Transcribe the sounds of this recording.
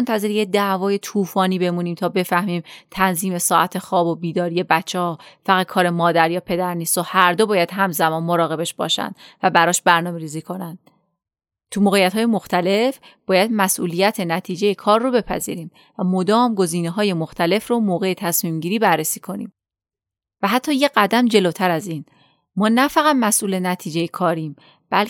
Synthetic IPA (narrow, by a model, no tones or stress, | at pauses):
ont̪ʰæze̞ɾijed̪æʔvɒːje̞t̪ʰuːfɒːniːbe̞muːniːmt̪ʰɒːbe̞fæhmiːmt̪ʰænziːme̞sɒːʔæt̪ʰe̞xɒːbobiːd̪ɒːɾije̞bæt͡ʃʰːɛhɒːfæɣæt̪̚kʰɒːɾe̞mɒːd̪æɾjɒːpʰe̞d̪æɾniːst̪ohæɾd̪o̞bɒːjæd̪̥ɦæmzæmɒːnmo̞ɾɒːɣe̞beʃb̥ɒ̰ːʃæ̰nd̪̥væbæɾɒːʃbæɾnɒːme̞ɾiːziːkʰo̞nænd̪̥̚ | t̪ʰumoːɣejæt̪hɒːje̞mo̞xt̪æle̞fb̥ɒːjæd̪mæsʔṵːlijæt̪ʰe̞næt̪ʰiːd͡ʒe̞jekʰɒːɾːobe̞pʰæ̰zḭːɾiːm | væmo̞d̪ɒːmɡo̞ziːneɦɒːjemoxt̪ʰæle̞fromoːɣe̞et̪ʰæsmiːmɟiːɾiːbæɾːesiːkʰo̞nḭːm | væɦæt̪ʰːɒːje̞ɢæd̪æmd͡ʒe̞loːt̪ʰæɾæziːn | mɒːnæfæɣæd̪mæsʔuːle̞næt̪ʰiːd͡ʒejekʰɒːɾiːm | b̥æl